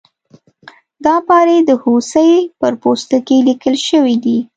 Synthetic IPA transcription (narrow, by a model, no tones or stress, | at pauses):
d̪ɑpɑɾed̪əhosəjpəɾpost̪əkelikəlʃəwid̪i